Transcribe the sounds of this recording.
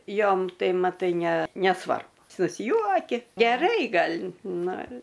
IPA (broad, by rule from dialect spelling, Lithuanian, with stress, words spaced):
ˈjoːm ˈtɐɪ mɐˈtɐɪ nʲɛ nʲɛˈsʋɐrbʊ sʊsʲˈjuɔkʲɪ ɡʲɛˈrɐɪ ˈɡɐlʲ ˈnʊ